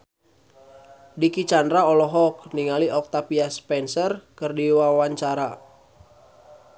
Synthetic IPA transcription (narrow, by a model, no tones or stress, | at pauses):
dikit͡ʃandɾaɔlɔɦɔk̚niŋaliʔɔk̚t̪apiaspɛnsərkərdiwawaɲt͡ʃaɾa